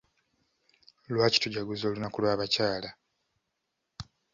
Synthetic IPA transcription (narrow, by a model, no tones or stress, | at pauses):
lwaːci̥tuɟaɡuzo̞ːlunakulwaːβacaːla